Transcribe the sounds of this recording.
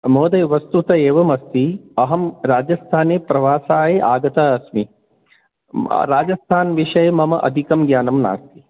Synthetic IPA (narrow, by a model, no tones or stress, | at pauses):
moːd̪ɐjʋɐst̪ut̪ɐeːʋɐmɐst̪iɐɦɐmɾaːd͡ʒɐst̪ʰaːneːpɾɐʋaːsaːjeʔaːɡɐt̪ɐɐsmi | ɾaːd͡ʒɐst̪ʰaːnʋiʂɐjɐmɐmɐʔɐ̰d̪ʱikɐmɡjaːnɐmna̰ːst̪i̥